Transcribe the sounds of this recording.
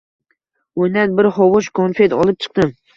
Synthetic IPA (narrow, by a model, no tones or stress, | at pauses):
ojnan̚bɪɾhɒwʊʃkʰonfe̞t̪ɒlˠɪp̚t͡ʃʰɨ̥q̚d̪ɪm